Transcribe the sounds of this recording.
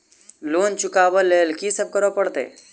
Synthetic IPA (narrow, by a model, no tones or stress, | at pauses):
loːnt͡ʃʊkaːbəleːlkisəb̚kəɾopəɽt̪ḛː